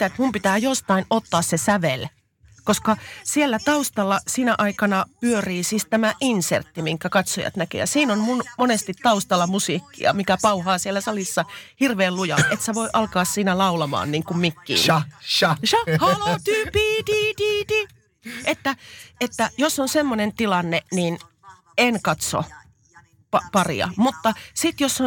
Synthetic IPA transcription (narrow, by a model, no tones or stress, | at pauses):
t̪æet̪mumpit̪æːjost̪ɑinot̪ːɑːssesæʋel | koskɑsielːæt̪ɑust̪ɑlːɑsinæʔɑikɑnɑpyøriːsiːst̪æmæʔinsḛrt̪ːimiŋkːækɑt̪sojɑ̰t̪nækḛjɑ̰siːnonmunmonest̪it̪t̪ɑust̪ɑlɑmusiːkːḭɑ̰mikæpɑuhɑːsielːæsɑlisːɑhirʋeːllujɑ̰et̪seʋoiʔɑlkɑːssiːnælɑulɑmɑ̰ːnniːŋkummikːḭː | ʃɑhɑlot̪yːpiːd̪iːd̪iːt̪i | et̪ːæet̪ːæjosːonsemːonent̪ilɑnːeniːn | enkɑt̪so̰ | pɑpɑrḭɑ̰mut̪ːɑsit̪josːo